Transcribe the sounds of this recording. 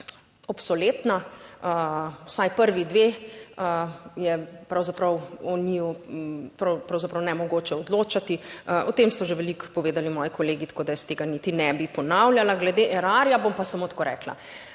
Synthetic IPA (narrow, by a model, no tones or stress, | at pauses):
ɔpsɔlet̪naəwsajpəɾʋid̪ʋeəjɛpɾawzapɾɐwɔnijɔpɾpɾɐwzapɾɐwnɛmɔɡoːt͡ʃɛɔd̪loːt͡ʃat̪iɔt̪emst̪ɔʒeʋɛlikpɔʋeːd̪alimɔːjikoleːɡit̪kod̪ajɛst̪eːɡanit̪inɛbipɔnawljalaɡlɛd̪eʔɛɾaːɾjabompasamot̪koːɾɛ̰ːkla̰